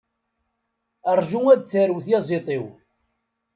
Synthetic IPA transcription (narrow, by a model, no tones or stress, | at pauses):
ərˤʒuŋæd̪θəɾwθjɑzˤet̪ˤiw